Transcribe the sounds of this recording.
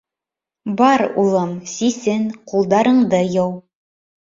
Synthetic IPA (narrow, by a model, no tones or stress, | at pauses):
bɑɾṵlˠɤmsisɘnqulˠd̪ɑɾɤ̆ɴd̪ɤjɤw